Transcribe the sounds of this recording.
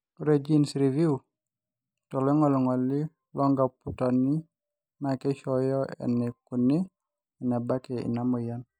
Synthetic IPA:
ɔɾed͡ʒi˦nsɾi˨vi˦u | tɔ˨lɔ˦ŋɔ˦lɔ˨ŋɔ˨lɪ˦ | lɔ˦ŋɡa˨putɔ˨ni˦ | ma˨kɛ˦ʃɔjɔ˦ɛ̰˨nɛ˨ku˨ni˦ | i˨na˨ba˦kɛ˨ḭ˨na˦mɔ˨ja˦n

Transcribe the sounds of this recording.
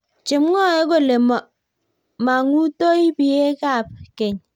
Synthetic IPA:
t͡ʃi˨m˦ŋɔ˦˨e˦ko˦˨le˨mɔ˨ | ma˨ŋu˦to˦i˦bi˨je˦ka˦˨pke˨ɲ

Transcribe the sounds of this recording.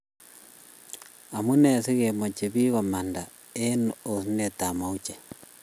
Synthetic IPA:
a˨mu˦ne˨si˦ɣe˨mo˨t͡ʃe˨βi˦ɣa˨ma˨nda˨ | e˦nuo˨si˦ne˨ta˨mau˦t͡ʃe̥˨

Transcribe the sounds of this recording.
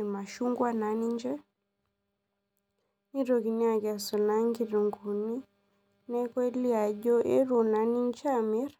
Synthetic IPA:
e˨ma˨ʃu˦ŋɡwa˦na˨˦ni˦ɲd͡ʒɛ˦ | ni˦ɾo˨ki˨ni˦a˨ka˨sɔ˨na˦ŋɡi˦ɾu˨ŋɡu˨ni˦ | nɛ˦kwe˦li˦a˨ɟɔ˦ʔe˦ɾɔ˨na˨˦ni˦ɲ˦t͡ʃa˦mi˦ɾ

